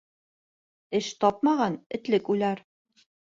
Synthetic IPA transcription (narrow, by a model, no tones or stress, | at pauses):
ɘʃt̪ɑp̚mɑʁɑnɘ̆t̪lɘkʉjlæɾ